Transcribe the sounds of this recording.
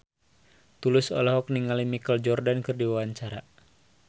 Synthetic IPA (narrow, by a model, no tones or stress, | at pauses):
t̪ulɪsɔ̰lɔɦɔk̚niŋalimikəld͡ʒɔrdankɨrdiwawaɲt͡ʃaɾa